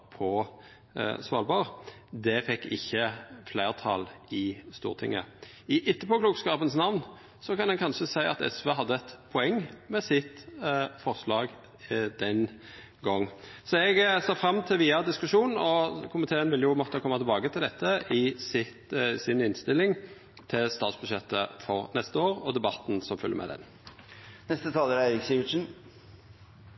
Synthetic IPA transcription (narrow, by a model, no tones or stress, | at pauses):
pʰɔ | sʋɑːlbɑʁd̪ɛfɛkːɪçːəflæɪʁt̪ʰɑ̰lɪst̪ṵːʁt̪ʰɪ̰ŋːə̰ | ɪʔɪt̪ːəpɔkluːkskɑːpənsnɑʋn | sɔkɑnɛnkʰɑnʂəsæɪɑ̰t̪ɛ̰sʋəɦɑd̪ːəɛt̪pʰɔɛŋːmɛsɪt̪fɔʁʂlɑːɡ | d̪̥ɛn | ɡɔŋːsɔɛɡsɑːfɾɑmːt̪ʰɪlʋiːɑd̪ɪskʉʂuːnn̩ɔkʰʊmɪt̪ʰeːənʋɪljʊmɔt̪ːəkʰɔmːɑt̪ʰɪlbɑːkət̪ʰɪld̪ɛt̪ːəɪsɪt̪sɪnɪnst̪ɪlːɪŋ | t̪ʰɪlst̪ɑːt̪sbʉd̪ʂɛt̪ːəfɔʁnɛst̪əoːɾɔd̪ɛbɑt̪n̩sɔmfʏljə̰mʔɛ̰d̪ɛ̰n | nɛst̪ət̪ʰɑːləɾæɪɾɪksiʋɪʂn̩